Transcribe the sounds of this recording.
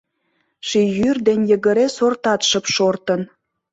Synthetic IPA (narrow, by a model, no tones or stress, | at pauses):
ʃijyrd̪enʲjəɣə̆ɾesort̪ɑt̪ʃə̆pʃort̪ə̆n